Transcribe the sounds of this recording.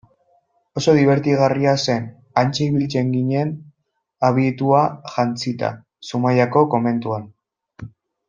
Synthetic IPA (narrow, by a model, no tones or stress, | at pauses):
o̞so̞ðiβ̞e̞ɾt̪iɣ̞ariase̞n | ant͡seiβilt͡se̞ŋɡiɲe̞n | aβ̞it̪uaʝant͡sit̪a̰ | sumajako̞ko̞me̞nt̪uan